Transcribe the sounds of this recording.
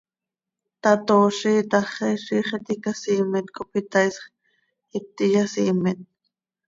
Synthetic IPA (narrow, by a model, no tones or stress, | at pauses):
t̪ɑt̪oːʃiːt̪ɑχiʃiːχet̪ikasiːmɪt̪kʰʼopit̪ɑjsχ | it̪ːijasiːmɪt̪̚